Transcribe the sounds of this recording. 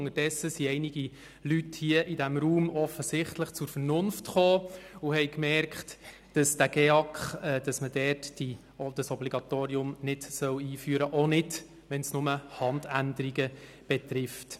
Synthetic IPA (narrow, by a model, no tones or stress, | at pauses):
ŋəd̥ɛsːəsiɛɪniɡ̥i | lythiəʔidæmɾuːmɔfəsɪχtləχt͡sʊɾfəɾnʊnftχoːuhɛɪkmɛɾkχt | d̥ɑsd̥æɡ̥ɛɑkχɛd̥ɑsmədɛːrtd̥i | d̥əsɔbliɡɑt̪oːɾiʊmnɪd̥sœwiːfyːəɾəʔonɪd | ʋɛnsnʊməhɑndændəɾiɡə | b̥et̪ɾɪft